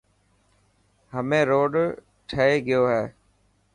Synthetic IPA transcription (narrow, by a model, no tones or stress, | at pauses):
ɦəmẽːɾoːɖ | ʈʰəeːɡɪjoːɦɛː